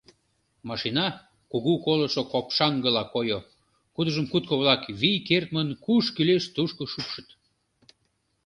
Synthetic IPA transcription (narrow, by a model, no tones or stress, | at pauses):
mɑʃinɑ | kuɣukolə̆ʃokopʃɑŋɡəlɑkojo | kud̪əʒəmkut̪̚koβlɑkβijkert̪̚mənkuʃkyleʃt̪uʃkoʃukʃə̥t̪